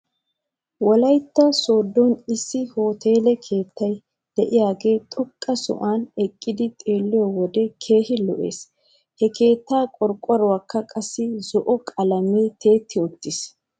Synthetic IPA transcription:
wɔlɐjt̪ːɐsoːd̪ːɔnɪsːɪho̞ːt̪ʰe̞ːlɛkʰe̞ːt̪ːɐj | d̪̥ɛʔɪjaːɡe̞ːt̪ʼɔkʼːɐsɔ̰ʔaːnɛkʼːɪd̪ɪt̪ʼe̞ːlːɪjɔwɔd̪ɛkʰe̞ːhɪlɔ̰ʔe̞̰ːs | hɛkʰe̞ːt̪ːaːkʼɔɾkʼːɔɾʊwaːkːɐkʼɐsːɪzɔʔɔkʼɐlɐmet̪ʰe̞ːt̪ːɪɔt̪ːɪs

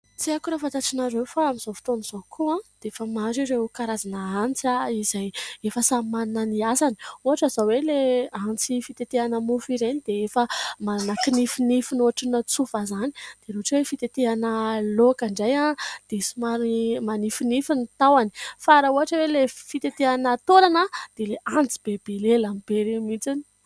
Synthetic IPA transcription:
t͡siakuɾafat̪aʈ͡ʂinaɾewfaamiz̥ofi̥t̪oniz̥okʰuãd̪eefəmaɾiɾekaɾazanəant͡saizajefəsamannəniasani̥uɦaʈ͡ʂəzoweleant͡sifit̪et̪eanəmufiɾenid̪̥eefəmananəkinifinifinoaʈ͡ʂinat͡sufazani̥d̪̥eɾuaʈ͡ʂwefit̪et̪eanəlokaɳɖ͡ʐajad̪̥esimaɾmanifinifinit̪awani̥faɾauɦaʈ͡ʂəwelefit̪et̪eanət̪onanad̪̥eleant͡si̥b̥eb̥elelamib̥eɾemit͡sini̥

